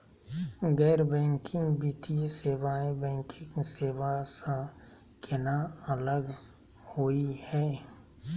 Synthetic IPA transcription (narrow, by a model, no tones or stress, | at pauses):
ɡɛːɾbɛ̃ːŋkɪ̃ŋɡbiːt̪iseːbaːẽbɛ̃ːŋkɪ̃ŋseːʋasã | kɪnaələɡ | hoːihɛː